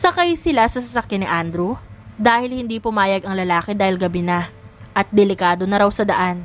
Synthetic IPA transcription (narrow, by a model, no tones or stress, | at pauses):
sɐkajsɪlasɐsɐsɐkjanɪʔand̪ɾud̪aːhɪlhɪnd̪iːpʊmaːjɐɡɐŋlɐlaːkɪd̪aːhɪlɡɐbɪnɐʔɐt̪̚d̪ɛlɪkaːd̪o̞nɐɾɐwsɐd̪ɐʔan